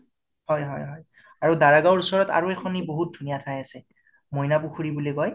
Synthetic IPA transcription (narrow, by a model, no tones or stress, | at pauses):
hɔjɦɔjɦɔj | aɹudaɹaɡawɹusɔɹɔta̰ɹuɛxʰɔniboɦut̚dʱunijatʰajasɛ | mɔjnapuxʰuɹibuliɡɔj